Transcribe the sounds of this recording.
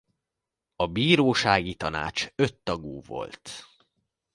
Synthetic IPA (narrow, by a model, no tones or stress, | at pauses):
ɒbiːɾoːʃaːɡit̪ɒna̰ːt͡ʃøt̪ːɒɡuːvo̞̰lt̪